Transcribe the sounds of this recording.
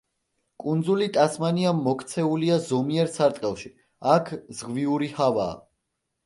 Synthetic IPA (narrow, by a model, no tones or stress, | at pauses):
kʼund̪zulit̪ʼasmaniamːɔkʰt̪sʰɛuliazɔmiɛɾsaɾt̪ʼqʼɛlˠʃi | akʰz̥ʁviuɾihava̰ː